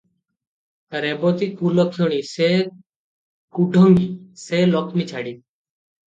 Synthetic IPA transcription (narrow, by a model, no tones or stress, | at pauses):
ɾebɔt̪ikʰulɔkʰoɽ̃ise | kuɖʱɔŋɡiselɔkʰmit͡ʃʰaɽi